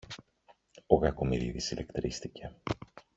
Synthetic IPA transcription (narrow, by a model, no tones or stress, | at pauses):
oɣɐkomiðḭðisilekt̪ɾist̪ice̞